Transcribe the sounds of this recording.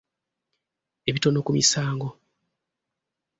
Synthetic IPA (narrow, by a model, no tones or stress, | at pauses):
e̞βito̞nokumisaːŋɡo̞